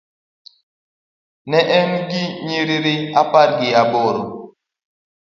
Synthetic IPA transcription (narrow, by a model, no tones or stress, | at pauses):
nɛʔɛnɡiɲiɾiɾiapaɾɡiabɔɾɔ